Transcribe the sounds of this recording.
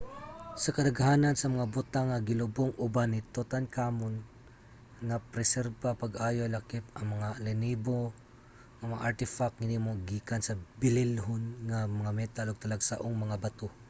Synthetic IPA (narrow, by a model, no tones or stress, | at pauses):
sɐkɐd̪ɐɡhaːnɐnsɐmɐŋabʊt̪aŋːɐɡɪlʊboŋʔʊbanɪt̪ot̪ankaːmʊn | ŋapɾɛsɛɾbapɐɡʔaːjolɐkɪp̚ɐŋmɐŋalɪniːbo | ŋɐmɐŋa̰ʔaɾt̪ɪfak̚ŋɪnimoɡiːkansɐbɪlɪlɦʊnŋamɐŋamɛt̪aloɡ̚t̪ɐlaɡsa̰ʔoŋmɐŋabɐt̪o